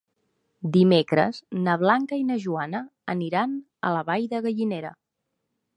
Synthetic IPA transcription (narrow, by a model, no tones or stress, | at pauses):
d̪imekɾə̰znəβlaŋkəinəʒuanəəniɾan | ə̰ləβajðəɣəʎineɾə̰